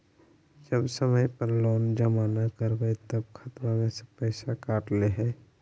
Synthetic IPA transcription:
d͡ʒəbsəməjpəɾlɔːnd͡ʒəmaːnakəɾbəjt̪əb̚kʰat̪mãmẽsepɛɪsakaːʈleɦɛː

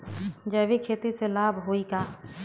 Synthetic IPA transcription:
d͡ʒəːbikʰeːt̪iselaːbʱɦoːikaː

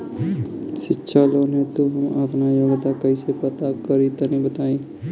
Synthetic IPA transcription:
sɪtːʃʰaloːnet̪uɦũaːpnajɐʋət̪akəisepət̪akəɾit̪ɐnĩbət̪aːĩ

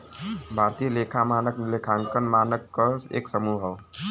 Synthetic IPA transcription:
bʱaɾt̪ijəlekʰamanəklekʰãŋkənmanəkːəsḛksəmuɦɦəw

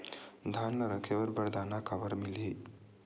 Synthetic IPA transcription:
d̪ʱanːəɾəkʰeʋəɾbəɾd̪ʱanakaʋəɾmili

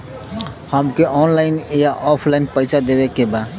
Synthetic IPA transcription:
həmkeʔɔːnlaːɪnjaʔɔːpʰlaːɪnpəɪsad̪eːʋekebaːd̪

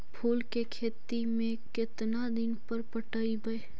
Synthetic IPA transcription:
pʰuːlkekʰeːt̪imẽkɪt̪nad̪ɪnpəɾpəʈaibɐe

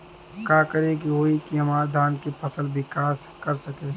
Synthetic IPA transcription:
kaːkɐɾekiɦoːikiɦɐmaːɾd̪ʱaːnkepʰɐsəlbɪkaːskɐɾsɐke

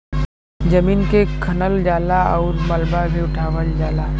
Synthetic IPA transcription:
d͡ʒɐmiːnkekʰɐnəld͡ʒaːlaɔːɾmɐlbabeʊʈʰaːʋəld͡ʒaːlaː

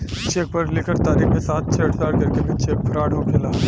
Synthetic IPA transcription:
t͡ʃeːk̚pɐɾlɪkʰəɾt̪aːɾiːkmẽsaːt̪̚t͡ʃʰeʈsaːɾkɐɾkebʱit͡ʃeːk̚pɐɾaːɽɦokʰelaː

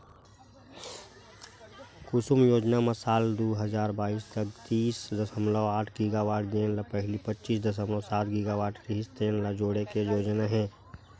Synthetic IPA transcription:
kʊsʊmjoːd͡ʒnamɐsaːld̪oɦəzaːɾbaːiːst̪əkt̪iːsd̪ɐsəmlaaːʈʰɡiɡaːʋaːʈd̪eːnlapɛɦlipətːʃiːsd̪əs̬əmlɔsaːt̪ʰɡiɡaʋaːʈkɪɦɪst̪eːnlad͡ʒoːɽekejoːd͡ʒnaɦɛ̃ː

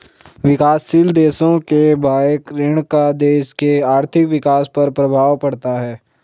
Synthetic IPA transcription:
ʋɪkaːsːild̪eːsõkebʱaːekɾɪɽ̃kad̪eːʃkeaːɾt̪ʰɪkʋɪkaːspɐɾpɾɐbʱaːʋpɐɽt̪aɦɛː

